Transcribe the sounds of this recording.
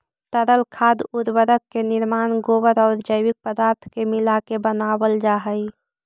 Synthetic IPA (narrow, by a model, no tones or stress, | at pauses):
t̪əɾəlkʰaːd̪ʊɾwəɾəkːenɪɾmaːnɡoːwəɾɔːɾd͡ʒəɪwɪk̚pəd̪aːɾt̪ʰkemɪlakebənaːwəld͡ʒaːɦəi